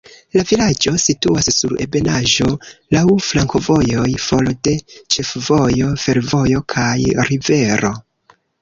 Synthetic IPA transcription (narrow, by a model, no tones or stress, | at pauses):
lavilad͡ʒo̞situasːuɾe̞̰be̞naʒo̞lawflaŋko̞vo̞jo̞jfo̞lode̞t͡ʃe̞fvo̞jo̞fe̞ɾvo̞jo̞kʰajɾive̞ɾo̞̰